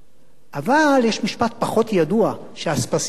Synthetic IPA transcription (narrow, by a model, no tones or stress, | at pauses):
ʔavaljeʃmiʃpat̪̚paχo̞t̪jadua | ʃeaspas